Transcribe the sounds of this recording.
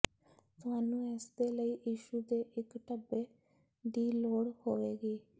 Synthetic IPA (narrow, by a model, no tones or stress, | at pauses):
t̪ʊɦaːnũːɛːsd̪eːləiːjiːʃuːd̪eːʔɪkʈəbeː | ɖ̪iːloːɽhoːʋeːɡeː